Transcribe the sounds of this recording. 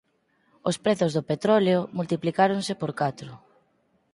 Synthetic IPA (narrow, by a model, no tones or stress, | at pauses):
ospɾeθʊzðopet̪ɾɔleomult̪iplikaɾoŋsɪpoɾkat̪ɾʊ